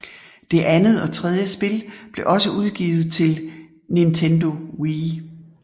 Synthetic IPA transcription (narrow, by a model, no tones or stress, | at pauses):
d̥e̝ʔænð̩ˠɒ̽t͡sʰʁɛð̞ˠjəsb̥e̝lb̥le̝ʔɒ̽səuð̞ˠɡ̥ḭːʊð̩ˠt͡sʰe̝l | nint͡sʰend̥o̝wi